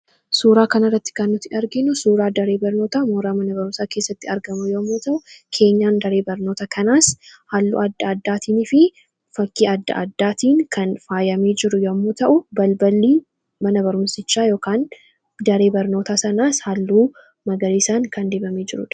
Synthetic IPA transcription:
suːɾaːkɐnɐrːɐt̪ːɪ̥kɐnːʊt̪ːɪʔɐɾɡɪnːʊsuːɾaːd̪ɐɾe̞ːbɐɾnoːt̪aːmoːɾaːmɐnɐbɐɾʊmsaːkeːsːɐt̪ːɪɐɾɡɐmʊjoːɐmːoːt̪ɐʔʊkʰe̞ːɲːaːnd̪ɐɾe̞ːbɐɾno̞ːt̪ɐkɐnaːshalːṵːɐd̪ːɐɐd̪ːaːt̪ʰiːnɪfɪ | fɐkːiːɐd̪ːɐ̰ʔɐ̰d̪ːaːt̪iːŋkʰɐnfaːjɐmeːd͡ʒɪɾʊjomːoːt̪ɐʔʊbɐlbɐlːiː | mɐnɐbɐɾʊmsɪt͡ʃːaːjo̞ːkaːn | d̪ɐɾe̞ːbɐɾnoːt̪aːsɐnaːshɐlːuː | mɐɡɐɾiːsaːŋkɐnd̪e̞ːbɐmeːd͡ʒɪɾʊ̰ᶑ

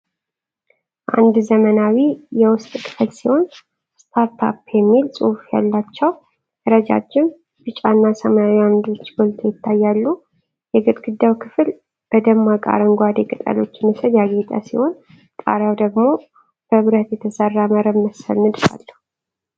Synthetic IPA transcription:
ʔa̰nd̪zəmənawijɛwʊst̪ʼkʰɨ̥flsiho̞n | st̪ʰapʰa̰pjɛmːilsʼṵhfja̰lːat͡ʃːɛw | ɾəd͡ʒa̰t͡ʃːɪn | b̥ɨt͡ʃʼanːasəmaawiamd̪o̞t͡ʃːɡolt̪ʰojɪt̪ʰːajːalːu | jɛɡɨt̪ʼɡ̥ɨd̪ːawkʰɨfɨl | b̥əd̪əmːakʼa̰ɾəŋɡʷad̪ekʼɨt̪ʼə̰lo̞̰t͡ʃːməsəd̪jaɡet̪ʼa̰siho̞n | t̪ʼa̰ɾawd̪əɡmo̞ | b̥əβɾət̪jɛt̪ʰəsərːaməɾəbməsə̰lmɨd̪fa̰lːəhu

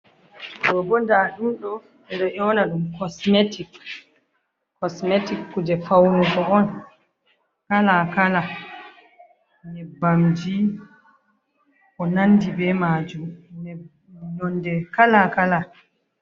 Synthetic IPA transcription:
ɗɔbɔndahinɗɔ | ɛɗɔʔɔnaɗumkɔsmetik | kɔsmetikːud͡ʒɛfawɾɔɡɔɔn | kalakala | nɛbamd͡ʒi | ʔɔnandibɛmad͡ʒumnɛ | nɔndɛkalakala

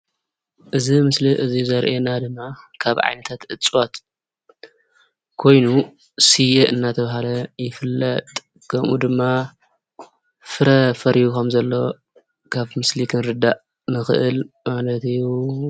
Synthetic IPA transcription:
ʔɨzimɨsliʔɨzizɐɾʔenad̪ɨmːakʰaβʕa̰jnɐt̪ʰat̪ʔɨt͡sʼot̪ | kʰo̞jnu | sijeʔɨnːat̪ʰɐβaɦalɐjɪfɨlːɐ̰t̪ʼ | kʰɐmʔud̪ɨmːa | fɨɾɐfɐɾijukɐmzɐlːo̞ | kʰaβmɨslikʰɨnɾɨd̪aʔ | nɨxɨ̰ʔɨlmalɐt̪ɨjːu

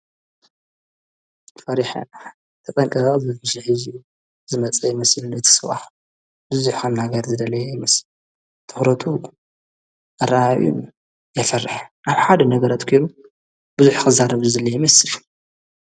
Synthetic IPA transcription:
t̪ʰfɐɾiħa̰ | t̪ʰɐt̪ʼɐŋkʼɐɨħɨʃiħɨzi | zɨmɐt͡sʼɐjɪmɐslɨnɨt̪ʰi̥sɨβa̰ħ | bɨzuħannaɡɐɾzɨd̪ɐlɐjejmɐsɨl | t̪ʰɨxɾɐt̪ʰu | ʔɨɾaaʔʔṵn | jɛfɐrħʔaβħad̪ɐnɐɡɐɾat̪kʰojɾu | b̥ɨzuħkɨzaɾɐβzuzɐlɐjmɐsɨl

